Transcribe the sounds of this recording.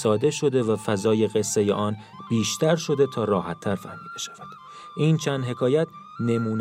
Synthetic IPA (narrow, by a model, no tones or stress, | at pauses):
sɒːd̪e̞ʃo̞d̪e̞væfæzɒːje̞ɣe̞sːejḛʔɒːn | b̥iːʃt̪ʰæɾʃo̞d̪e̞t̪ʰɒːrɒːhæt̪ʰːæɾfæhmiːb̥̪eʃæ̥v̥æd̪̥ | ʔiːnt͡ʃʰæːnd̪ɦe̞kʰɒːjæt̪̚ʰ | ne̞muːn